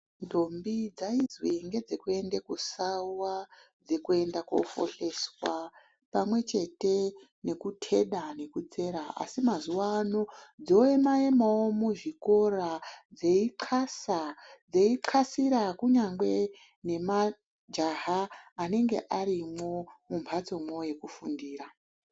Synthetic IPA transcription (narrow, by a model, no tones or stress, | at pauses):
ndombid͡zaid͡zwiŋɡe̞d͡ze̞kue̞ndekusauwa | d͡ze̞kue̞ndako̰fo̞̰ɬe̞swa | pamwe̞t͡ʃe̞te̞ | ne̞kutʰe̞ɗane̞kut͡se̞ɾaa̰simazuwaːno̞d͡zo̞jemaemawomuʐiko̞rad͡ze̞iǃʰasad͡zeiǃʰasiɾakuɲaŋɡwe̞ | ne̞ma | d͡ʒaɦaːne̞ŋɡe̞̰ʔaɾimo̞mumpʰat͡so̞mwo̞je̞kufundiːra